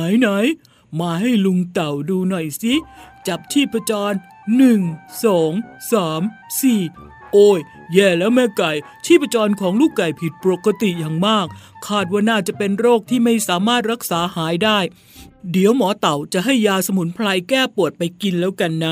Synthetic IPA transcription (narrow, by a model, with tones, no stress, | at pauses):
na˨˩˦jna˨˦j | maː˧ɦa˥˩jlu˧ŋt̪a˨˩wduː˧nɔ˨˩jsi˦˥t͡ɕa˨˩p̚t͡ɕʰiː˥˩pʰːa˧t͡ɕɔː˧nː | ɯ˨˩ŋsɔː˩˦ŋsaː˩˦msiː˨˩ | ʔoː˧˩jː | ɛː˧˩lɛː˦˥wmɛː˧˥˩ka˨˩j | t͡ɕʰiː˥˩pʰa˧t͡ɕɔː˧nkʰɔː˩˦ŋluː˥˩kla˨˩jpʰi˨˩t̪̚po˨˩kːa˧t̪i˨˩jaː˨˩ŋmaː˥˩k̚ʰːaː˥˩t̪̚waː˥˩naː˥˩t͡ɕa˨˩pe˧nɾoː˥˩k̚t̪ʰiː˥˩ma˥˩jsaː˩˦maː˥˩t̪̚ɾa˦˥k̚saː˩˦haː˩˦jdaː˥˩j | di˩˦əwmɔː˩˦t̪a˨˩wt͡ɕa˨˩ɦa˥˩jːaː˧sa˧mu˩˦npʰla˧jkɛː˥˩pu˨˩ət̪̚pa˧jki˧nlɛː˦˥wka˧nːa˦˥